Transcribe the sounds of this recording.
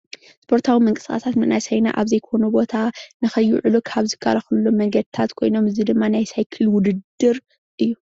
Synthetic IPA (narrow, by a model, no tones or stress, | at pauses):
spʰo̞ɾt̪ʰawimɐŋkʼɨ̥sa̰sat̪mɨʔnajsajna̰ʔaβzɐjkʰo̞nubo̞t̪ʰanɨxɐjːṵʕɨlukʰaβzɨkʰalɐxllːomɐŋɡɐd̪ɨt̪ʰat̪kʰo̞̰jno̞mɨzid̪ɨmːanajsajkʰɨlwʊd̪ɨdd̪ɨɾ | ʔɨjːu